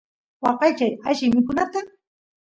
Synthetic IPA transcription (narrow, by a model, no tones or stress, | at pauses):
wɑqɑjt͡ʃajaʃɪmɪkʊnat̪a